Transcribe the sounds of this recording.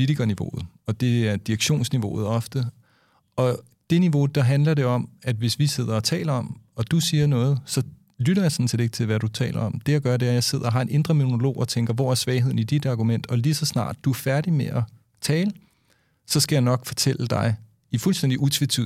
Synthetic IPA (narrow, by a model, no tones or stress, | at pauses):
pʰoliɾʰiɡ̥ɐniʋo̝̰ːð̩ˠ | ɒ̽d̥e̝æɐd̥iʁɐɡ̥ɕo̝̰ːnsniʋo̝̰ːð̞̩ˠɒ̽fd̥ə | ɒ̽ | d̥e̝niʋo̝d̥ɑ̈ɦænlɐɾe̝ɒ̽mæd̥ʋe̝sʋise̝ð̞̰ˠɐɒ̽t͡sʰɛ̰ːlɐɒ̽mɒ̽d̥usiːɐnɔ̽ːð̞̩ˠsɒ̽ | lyɾɐjɑ̈sɒ̽n̩sʰe̝ɾ̥e̝ɡ̥ət͡sʰe̝lʋæɾ̥ut͡sʰɛ̰ːlɐɒ̽md̥e̝ɑɡ̥ɶɐɾe̝æɐjɑ̈ɪse̝ð̞̰ˠɐɦɑ̈e̝nʔe̝nd̥ʁɐmono̝lo̝̰ːʔɒt͡sʰeŋɡ̥ɐʋɒ̰ːæɐsʋɛːɪɦe̝ð̞̰ˠn̩id̥id̥ɑ̈ɡ̥umen̰d̥ɒ̽lisɒ̽snɑ̰̈ːd̥ːuæfæɐɾ̥imeʔɒ | t͡sʰɛːlə | sɒ̽sɡ̥æjɑɪnɒ̽ɡ̥fɒ̽t͡sʰel̰əd̥ɑ̈ɪ | ifulsd̥en̰d̥iʔut͡sʰʋit͡sʰḭ